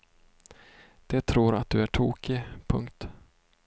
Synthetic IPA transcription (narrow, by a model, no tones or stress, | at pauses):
d̪̥ɛt̪ʰɾuːɾa̰t̪̚d̪̥ɵæʈʰuːkɪpʰɵŋkt̪